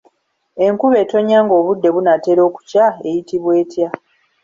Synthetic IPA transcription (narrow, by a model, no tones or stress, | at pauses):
e̞ŋkuβe̞ːto̞ɲːaːŋɡo̞ːβudːe̞βunate̞ɾo̞ːku̥cae̞jitiβwe̞ːtja